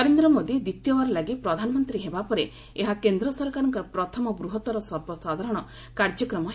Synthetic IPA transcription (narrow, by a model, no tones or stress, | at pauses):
ɔɾend̪ɾɔmod̪id̪it̪jɔmaɾɔlaɡipɾɔd̪ʱanɔmɔnt̪ɾiɦebapɔɾe | eɦakend̪ɾɔsɔɾkaɾɔŋkɔɾɔpɾɔt̪ʰɔmɔbɾuɦɔt̪ɔɾɔsɔɾbɔsad̪ʱaɾɔɽ̃ɔ | kaɾd͡ʒɔkɾɔmɔɦ